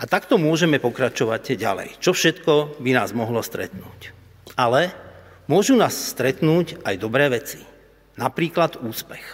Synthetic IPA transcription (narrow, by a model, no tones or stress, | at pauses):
ʔat̪akt̪ɔmʊɔʒɛmɛpɔkɾat͡ʃɔʋaɟɟa̰lɛ̰jt͡ʃɔfʃɛt̪kɔbina̰ːzmɔɦlɔst̪ɾɛ̰t̪nuːc | ʔalɛ | mʊɔʒunaːsst̪ɾɛt̪nuːcajd̪ɔbɾɛːʋɛt͡si̥ | napɾiːklad̪uːspɛx